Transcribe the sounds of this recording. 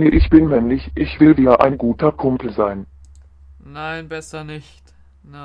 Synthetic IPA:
niʔɪçb̥ɪnmɛmlɪçʔɪçv̥ɪlviːɐʔa̰ɪnɡuːtʰɐkʰʊmpl̩zaɪn | naɪnbɛsɐnɪçt

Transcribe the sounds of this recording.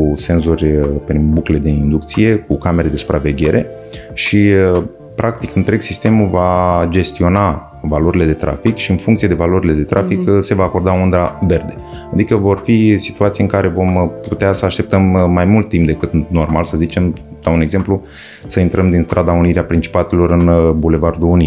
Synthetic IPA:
kuse̞nzorʲpɾinbukle̞d̪e̞ind̪uk̚t̪sije̞kukame̞ɾe̞d̪e̞su̥pɾave̞ɡʲe̞ɾʔe̞ | ʃi | pɾʔak̚t̪ikɨnt̪ɾe̞ɡsist̪e̞muvad͡ʒe̞st̪io̞na | valo̞ɾile̞d̪e̞t̪ɾa̰fikʃiɨnfuŋkt̪ie̞d̪evalo̞ɾile̞d̪e̞t̪ɾʔafikse̞vaːko̞rd̪aond̪ɾave̞rd̪e̞ | ad̪ikəvo̞rfisi̥t̪uat̪sijɨŋkaɾe̞vo̞mput̪easəaʃt̪e̞p̚t̪əmːajmult̪ːimp̚d̪e̞kɨt̪no̞rmalsəzit͡ʃe̞md̪auneɡze̞mplu | səint̪ɾəmd̪inst̪ɾʔad̪auniɾeapɾint͡ʃi̥pat̪e̞lo̞ɾɨnbule̞vard̪uuni

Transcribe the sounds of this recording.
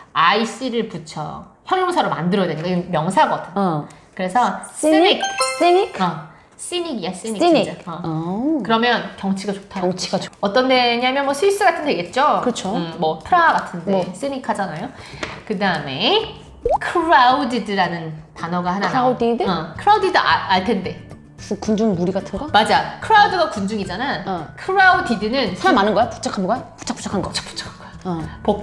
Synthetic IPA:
ais͈ɯɾɯɭput͡ɕʰʌ̰çjʌŋjoŋsʰaɾoma̰ndɯɾʌdweɲik͈aiɡɯmjʌŋsʰaɡʌdɯn | kɯɾe̞sʰʌsɲiksiɲiʌ | s͈iɲiɡias͈iɲikɲieʌkɯɾʌmjʌnkjʌŋt͡ɕʰiɡat͡ɕotʰaŋt͡ɕʰi̥ɡaʌt͈ʌndeɲamjʌnmwʌsʰuis͈ɯɡatʰɯndweɡe̞t̚t͡ɕ͈okɯt͡ɕʰoɯmwʌtʰɯɾaɡatʰɯndes͈ɯɲikʰad͡ʑanajo | kɯdaɯme̞ | kʰɯɾaudidɯɾanɯntanʌɡahanaaudidɯʌkʰɯɾaudidɯʔaaɭtʰe̞nde̞ | ɯkund͡ʑuŋmuɾiɡatʰɯnɡʌmad͡ʑakʰɯɾaudɯɡakund͡ʑuŋid͡ʑanakʰɯɾaudidɯnɯnsʰaamanɯnɡʌjapu̥t͡ɕʰakʰanɡʌjopu̥t͡ɕʰak̚pu̥t͡ɕʰakʰanɡʌt͡ɕʰḁkpu̥t͡ɕʰḁkʰanɡʌjopo

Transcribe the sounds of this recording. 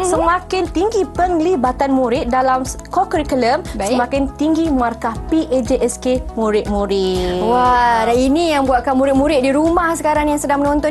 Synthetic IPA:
səmãkɪnt̪iŋɡipəŋlibat̪anmũɾɪt̪̚dalamkokəɾikuləmbasəmãkɪnt̪iŋɡimarkapiʔed͡ʒeʔɛskemũɾɪt̪̚mũɾɪwadaninijaŋbuaʔ̪̚kanmũɾɪt̪̚muɾɪt̪̚diɾumahsəkaɾaŋjaŋsədaŋmənõnt̪ɔn

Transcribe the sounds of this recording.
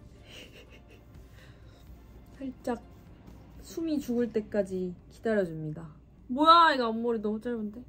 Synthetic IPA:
sʰaɭt͡ɕ͈ak̚ | sʰumit͡ɕuɡɯɭt͈e̞k͈ad͡ʑiki̥d̥aɾjʌd͡ʑumɲida | mojaiɡaʌmːoɾinʌmut͡ɕ͈aɭbunde̞

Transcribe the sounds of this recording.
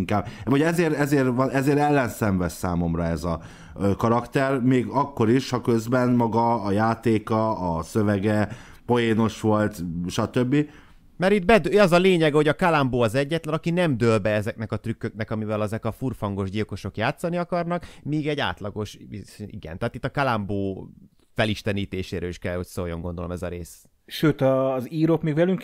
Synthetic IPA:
ŋkaːb̚oɟɛzeːɾɛzeːrvɒɛzeːɾɛlːɛnsɛɱvɛssaːmo̞mrɒɛzɒ | kɒɾɒkt̪ɛrmeːɡɒkːo̞ɾiʃhɒkø̞zbɛnmɒɡɒːjaːt̪eːkɒːsøvɛɡɛ | po̞jeːno̞ʃʋo̞lt̪ʃɒt̪ø̞bːi | mɛɾit̪̚bɛd̪øɒzɒleːɲɛɡɛho̞ɟɒkalamboːɒzɛɟːɛt̪lɛnɒkinɛmd̪ølbɛɛzɛknɛkɒt̪rykːøknɛkɒmivɛlɛzɛkɒfurfɒŋɡo̞ʒɟilko̞ʃo̞kjaːt̪sɒniɒkɒrnɒkmiːɡɛɟa̰ːt̪lɒɡo̞ʃiɡɛ̰nt̪ɛɦaːt̪it̪ːɒkalamboː | fɛliʃt̪ɛniːt̪eːʃeːɾøːliʃkɛlho̞csoːjo̞̰ŋɡo̞nd̪olo̞̰mɛzɒɾeːs | ʃøːt̪ɒziːɾokmeːɡvɛlyŋk

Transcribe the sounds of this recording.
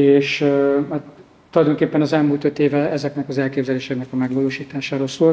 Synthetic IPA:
eːʃat̪ | t̪ːulɒjd̪o̞ŋkeːpːɛnɒzɛlmuːlt̪ø̞t̪eːvɛɛzɛknɛkɒzɛlkeːbzɛleːʃɛknɛkɒmɛɡʋɒloːʃiːt̪aːʃaːɾoːlsoːl

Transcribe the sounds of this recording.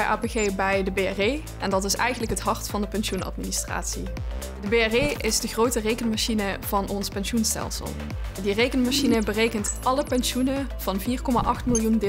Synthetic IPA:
jʔa̰ːpeɣeːbɛjdəbeɛrej | ʔɛndɑtɪsɛjɣənləkɦətɦɑɹtfɑndəpɛnʃunɑ̰tministra̰ːtsḭ | dəbeːɛrejɪzdəχrowtərejkənmaʃinəv̥ɑnɔnspɛnʃunstɛ̰lˠsə̰lˠ | direjkənmaʃinəbərejkəntʔɑləpɛnʃunəv̥ɑnviːrkɔma̰ʔɑxtmɪlˠjundɪ

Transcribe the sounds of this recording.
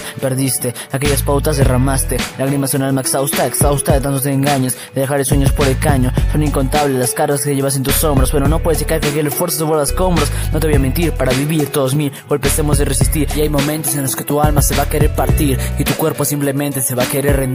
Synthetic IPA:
pe̞ɾðist̪e | akeʝaspawt̪azðeramast̪elaɣɾimaseunalmaeksawst̪aeksawst̪aet̪ant̪ot̪eːŋɡaɲes | d̪eðexaɾesweɲospo̞ɾelkaɲosweniŋko̞nt̪aβlelaskaɾt̪askeeʝeβas̬ent̪uso̞mbɾosbwenono̞pwe̞ðeekaɾkeakeʎesfwe̞ɾsoseβoɾðasko̞mbɾosnot̪eojament̪̬iɾpaɾaβiβiɾt̪oðos̬mi | olpesemozðeresist̪iɾiajmõ̞mẽnt̪o̞s̬enlo̞ske̞t̪ualmaseβakeɾeɾpaɾt̪iɾit̪ukwe̞ɾposimplemẽnt̪eseβakeɾeɾren

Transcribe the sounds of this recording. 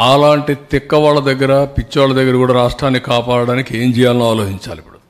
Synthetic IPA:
aːlaːɳʈit̪ikːɐʋaːɭːɐd̪ɐɡːɐɾɐpit͡ʃːɐʋaːɭːɐd̪ɐɡːɐɾɐkuːɽaːɾaːʂʈɾaːnːikaːpaːɽɐɽaːnikieːmd͡ʒɛːjaːlɐnuaːloːɦiɲt͡ʃa̰ːlipːuɽu

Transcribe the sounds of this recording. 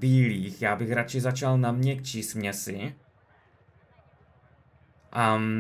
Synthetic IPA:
biːliːxjaːbɪxɾat͡ʃɪzat͡ʃalnamɲɛkt͡ʃismɲɛsɪ | ʔa

